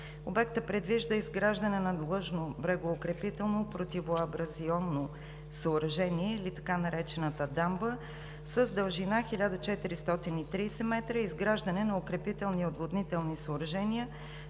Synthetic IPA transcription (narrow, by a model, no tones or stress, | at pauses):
obɛkt̪əpɾɛd̪viʒd̪əizɡɾaʒd̪ɐnɛnɐd̪lˠɤʒnobɾɛɡoːkɾɛpit̪ɛlˠnopɾot̪ivoɐbɾɐziɔnːo | səoɾɐʒɛniɛilit̪ɐ̥kanɐɾɛt͡ʃɛnət̪əd̪ambə | səzd̪əlˠʒinaxilʲad̪ət͡ʃɛt̪iɾist̪ɔt̪init̪ɾiːsɛmɛt̪ɾəizɡɾaʒd̪ɐnɛnɐokɾɛpit̪ɛlˠniod̪vod̪nit̪ɛlˠnisəʊɾɐʒɛniə